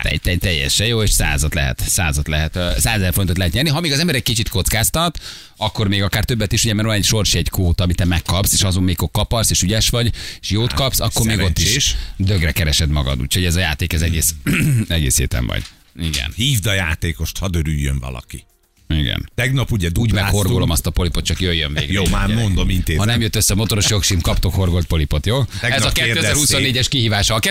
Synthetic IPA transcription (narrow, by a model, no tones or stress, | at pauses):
a̰t̪ɛ̰ɟt̪ɛt̪ɛjːɛ̰ʃɛjoːeːʃsa̰ːzɒt̪lɛɦɛ̰t̪sa̰ːzɒt̪lɛɦɛt̪saːzɛzɛrfo̞ɾint̪ot̪lɛɦɛt̪ɲɛːrniɦɒmeːɡɒzɛmbɛɾɛkkit͡ʃit̪kot̪skaːst̪ɒt̪ | ɒkːo̞rmeːɡɒkaːrt̪ø̞bːɛt̪iʃuɟɛmɛːɾvɒnɛcʃo̞rʃiɛɟkoːt̪ɒːmit̪ɛmɛkːɒpseːʃɒzommeːkːokkɒpɒrseːʃyɟɛʃʋɒɟeːʃjoːt̪kɒpsɒkːormeːɡɡot̪ːiʃʃd̪øɡrɛkɛɾɛʃɛd̪mɒɡɒ̰d̪ṵːcʰho̞ɟɛzɒjaːt̪eːkɛzɛɡeːsɛɡeːshḛːt̪ɛ̰ɱvɒ̰ɟ̥ | iɡɛ̰nhiːvd̪ɒja̰ːt̪eːko̞ʃt̪hɒd̪øɾyjːø̰ɱvɒ̰lɒ̰ki | iɡɛ̰nt̪ɛɡnɒpuɟɛd̪uːɟmɛkho̞rɡɡolo̞mɒst̪ɒpo̞lipot̪t͡ʃɒkjøjːøɱveːɡjoːmaːmond̪omint̪eːhɒnɛmjøt̪ːøsːɛmo̞t̪o̞ɾoʃjo̞kʃiːmkɒpt̪o̞kho̞rɡolt̪po̞lipo̞t̪joːɛɛzɒkɛːøːɛzɛːɾusonːeːɟɛʃkiɦiːvaːʃɒkɛ